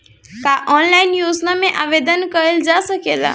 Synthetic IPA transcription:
kaʔɔnlaɪnjuːznamẽʔaʋed̪ənkəɾeld͡ʒasəked̪a̰

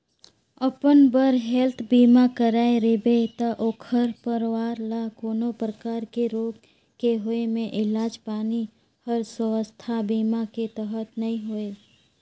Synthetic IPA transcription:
əpənbəɾɦɛlt̪ʰbiːmakəɾaːeɾɪbet̪aʔoːkʰəɾpəɾwaːɾlakoːnopɾəkaːɾkeɾoːɡ | keɦoemẽʔɪlaːd͡ʒpaːni | həɾswəwəst̪ʰabiːmaket̪əɦət̪nɐɦĩɦoe

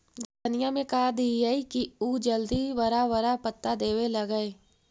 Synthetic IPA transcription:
ɡənɪjamẽkad̪iaikiud͡ʒəld̪iʋɐɾaʋəɾapət̪ːad̪eːwelɐɡəeː

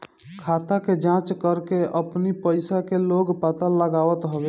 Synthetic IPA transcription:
kʰat̪aked͡ʒãt͡ʃkəɾkeəpnipəɪsakeloɡpat̪əlləɡawət̪ɦəbe

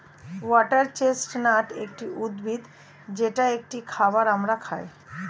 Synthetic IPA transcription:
wɔʈəɾt͡ɕesʈnaʈek̚ʈiʔud̪bʱid̪ | d͡ʑeʈaek̚ʈikʰabaɾamɾakʰaj

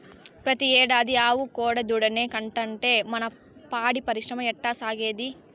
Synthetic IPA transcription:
pɾɐt̪iɛːɽaːd̪iaːwukoːɽɐd̪uɽɐneːkɐɳʈɐɳʈe̞ːmɐnɐ | paːɽipɐɾiʃɾɐmɐɛʈːaːsaːɡeːd̪i

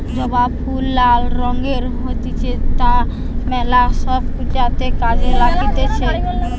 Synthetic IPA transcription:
d͡ʒəbapʰulːalɾɔ̃ŋɡeɾɦot̪it͡ʃʰɛt̪a | mɛlasəbkut͡ʃat̪ekad͡ʒelakit̪et͡ʃʰɛ

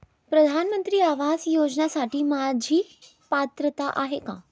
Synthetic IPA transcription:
pɾəd̪ʱanmənt̪ɾiːaʋazjod͡ʑnasaʈiːmad͡ʑʱiː | pat̪ɾət̪aʔaɦekã̰ː

